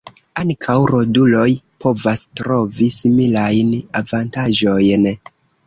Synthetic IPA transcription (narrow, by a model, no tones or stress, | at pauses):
aŋkʰawɾo̞dulo̞jpo̞vastɾo̞visimilajnavantaʒo̞jn